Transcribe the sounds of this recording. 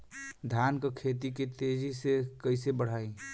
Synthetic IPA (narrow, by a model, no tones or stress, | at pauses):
d̪ʱaːnkəkʰet̪̬iket̪ed͡ʒʱisekəɪsebəɽ̤aːi